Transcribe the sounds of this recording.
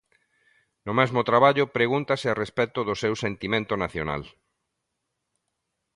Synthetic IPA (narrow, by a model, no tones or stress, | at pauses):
nʊmɛzmʊt̪ɾaβaʎʊpɾeɣunt̪asearespɛt̪ʊðʊsewsent̪imẽnt̪ʊnaθjo̰na̰l